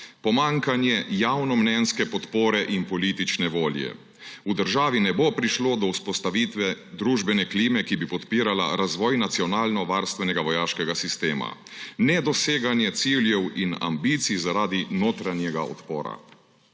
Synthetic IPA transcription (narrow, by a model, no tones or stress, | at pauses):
pɔmaŋkanjɛjawnɔmnɛnskɛpɔt̪poːɾɛʔinpɔliːt̪it͡ʃnɛʋoːljɛ̰ | ud̪əɾʒaːʋinɛbopɾiʃlod̪ɔuspɔst̪aʋiːt̪ʋɛd̪ɾuʒbɛnɛkliːmɛkibipɔt̪piːɾala̰ɾazʋɔːjnat̪siɔnaːlnɔʋaɾst̪ʋɛnɛɡaʋɔjaːʃkɛɡasist̪eːma̰nɛd̪ɔseːɡanjɛt̪siːljɛwina̰mbiːt̪sizaɾaːd̪inoːt̪ɾanjɛɡaɔ̰t̪poːɾa̰